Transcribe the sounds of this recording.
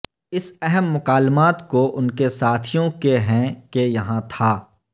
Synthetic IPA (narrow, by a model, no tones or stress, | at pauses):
ɪsɛɦɛmːʊkaːlmaːt̪koʔʊnkesaːt̪ʰijõkeɦɛ̃kejɐɦãt̪ʰaː